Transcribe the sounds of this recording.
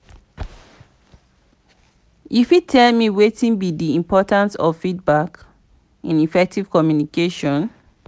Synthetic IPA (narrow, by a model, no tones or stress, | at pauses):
ʔifitʰɛlmiwetĩnbidiĩmpʰɔtãnsɔ̰vfid̚bak | ĩnifɛk̚tiv̥kɔmjunikeʃɔ̃n